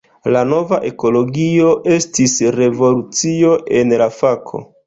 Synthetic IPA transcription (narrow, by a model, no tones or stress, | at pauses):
lano̞vaʔe̞ko̞lo̞ɡio̞ʔe̞stisɾe̞vo̞lut͡sio̞ʔe̞nlafakʰo̞̰